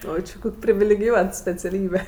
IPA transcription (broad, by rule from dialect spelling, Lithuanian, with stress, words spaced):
ˈoː t͡ʃʲɪ ˈkoːkʲ pʲrʲɪʋʲɪlʲɛɡʲɪˈjuɔt sʲpʲɛt͡sʲɛˈlʲiːbʲɛ